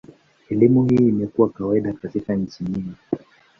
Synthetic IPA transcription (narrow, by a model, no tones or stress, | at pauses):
ɛlimuhiːmɛkuwakawaiɗakatikaɲ̩t͡ʃiɲiŋɡi